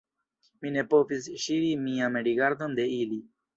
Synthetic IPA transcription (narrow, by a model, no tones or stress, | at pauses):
minepoːpisɕiːɾimĩːãːmeɖiɡɐɾd̪ənd̪eiːli